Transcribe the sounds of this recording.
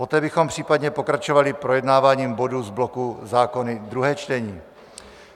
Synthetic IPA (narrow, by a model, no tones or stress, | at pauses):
pot̪ɛːbɪxo̞mpr̥iːpad̪ɲɛpo̞kɾat͡ʃovalɪpɾojɛdnaːvaːɲiːmbo̞duzblokuzaːko̞nɪd̪ɾuɦɛːt͡ʃt̪ɛɲiː